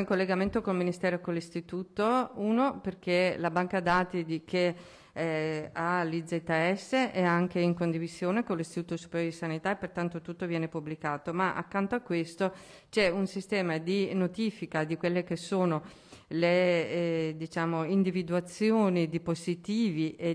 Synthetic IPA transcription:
iŋkolːeɡament̪okolminist̪ɛːɾokolːist̪it̪uːt̪ouːnoperkelabaŋkad̪aːt̪id̪ikʰe | ɛalid͡ʒ̪et̪ːaɛsːeʔɛaŋkeiŋkond̪ivizjoːnekonlːist̪it̪uːt̪osu̥peɾjoɾod̪isanit̪aepːert̪ant̪ot̪ut̪ːovjɛːnepublikaːt̪omaʔa̰kːant̪oakːwest̪o | t͡ʃɛunsist̪ɛːmad̪inot̪iːfikad̪ikwelːek̟esːoːno | le | d̪it͡ʃaːmoind̪ivid̪uat̪sːjoːnid̪ipozit̪iːviʔe

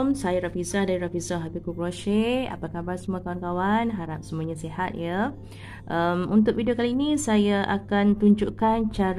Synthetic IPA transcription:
msajaɾafisahdaɾiɾafisaɦabikukɾoʃea̰pakabarsəmuakawankawanɦaɾap̚səmũaɲãsihat̪̚jə | ʔəmunt̪̬ʊk̚vidiokaliːnĩsajaʔakant̪uɲd͡ʒuʔkant͡ʃaɾ

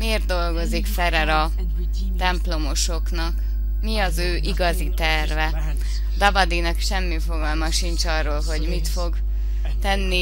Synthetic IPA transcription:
meːrt̪̚d̪o̞lɡo̞zikfɛɾɛɾɒ | t̪ɛmplo̞mo̞ʃo̞knɒk | miɒzøːʔiɡɒzit̪ɛrvɛ | d̪ɒvɒd̪inɒkʃɛmːifo̞ɡɒlmɒʃint͡ʃɒrːoːlɦo̞ɟmit̪fo̞ɡ | t̪ɛnːi

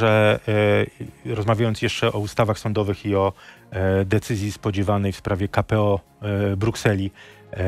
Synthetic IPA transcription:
ʐɛ | ɾɔzmavʲjajɔnt̪jɛʂt͡ʂɛʔɔust̪avaxsɔnd̪ɔvɘxiɔ | d̪ɛt̪sɘzʲjispɔd͡ʑɛvanɛjfspɾavʲjɛkapɛɔ | bɾuksɛlʲi

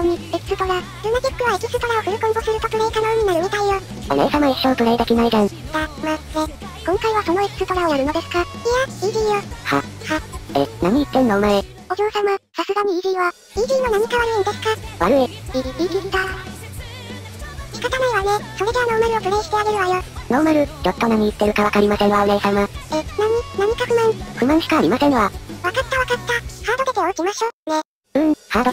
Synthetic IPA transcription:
oɲ̟ieki̥sɨt̪o̞ɾa | ɾɯnaɡʲikːɯ̟βaekʲisɨ̥t̪o̞ɾao̞ɸɯ̟ɾɯ̟kõŋɡosɨɾɯ̟t̪ot̪ɯ̟ɾaikanojɯ̟ɲ̟inaɾɯ̟m̟ʲit̪aijo | a̰ɾḛsamaeçt̪oːt̪oɾaet̪ekʲinaid̪ãŋaːmaːne | kõŋkaiβaso̞no̞ekɯ̥sɨt̪o̞ɾaoj̪aɾɯ̟no̞d̪esɨ̥kaiaiːdʲiːjoha̰haḛna̰ɲ̟iːt̪ːẽ̞nːoːmaɾe | od͡ʑoːsãmosasɨɡaɲ̟iiːɾʲiːβa | iːɡʲiːno̞naɲ̟ikaβaɾɯ̟inod̪e̞sɨ̥kaβaɾɯeiiiːɡiɾid̪a | çi̥kat̪anaiβaneso̞ɾe̞d̪eano̞ːmaɾʲiofɯ̟ɾeɕi̥t̪e̞aɡe̞ɾɯ̟βajono̞ːmaɾɯ̟t͡ɕot̪ːo̞naɲ̟iːt̪ːe̞ɾɯ̟kaβakaɾʲimasẽ̞ŋ̃βaneːsamaenaɲ̟inaɲ̟ikakɯmãɸɯ̟mãɰ̃ɕi̥kaːɾʲimasẽ̞ɰ̃βaβakat̪ːaβakat̪ːahaːd̪ot̪ek̪eoikʲimaɕoːne | ɯ̟̃haːd̪o

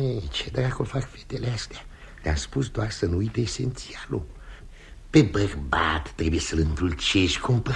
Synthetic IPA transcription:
et͡ʃed̪ɾakofakfet̪eleast̪ea | lea̰spusd̪oarsənuujt̪əːsḛnt̪sialu | pe̞bərbat̪ːɾe̞bujesəlɨnt̪ult͡ʃeʃʲkʰump

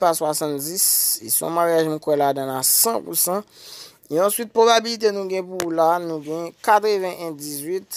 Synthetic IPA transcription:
paswasãt̪d͡zisisɔ̰̃maʁjaʒm̩̃kwɛladãlasãpusɑ̃ | eãswɥit̪̚pʁobabilit̪̬enũɡɛ̃pulanũɡɛ̃kat̪ʁəvɛ̃ʔɛ̃d͡zizɥit̪

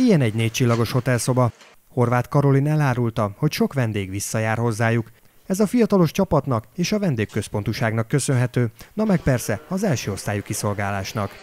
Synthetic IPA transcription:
ijɛnɛɟneːc̚t͡ʃilːɒɡo̞ʃho̞t̪ɛlso̞bɒ | ho̞rvaːt̪kɒɾo̞linɛlaːɾult̪ɒho̞cʃo̞kʋɛnd̪eːɡʋisːɒjaːrho̞zːaːjuk | ɛzɒfijɒt̪ɒlo̞ʃt͡ʃɒpɒt̪nɒkeːʃɒvɛnd̪eːkkø̞spo̞nt̪uʃaːɡnɒkːø̞sø̞nɦɛt̪øːnɒmɛkpɛrsɛɒzɛlʃøːo̞st̪aːjukiso̞lɡaːlaːʃnɒk

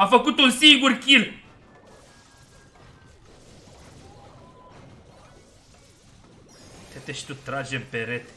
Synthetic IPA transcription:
afəkut̪unsiŋɡurkʲil | t̪et̪eʃt̪ut̪ɾad͡ʒempeɾet̪

